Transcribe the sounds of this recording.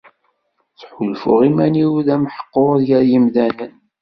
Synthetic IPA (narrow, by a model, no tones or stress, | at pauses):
θħulfʊ̰ʁimæniwðæmħə̥qːoɾˤðjæɾjimðænən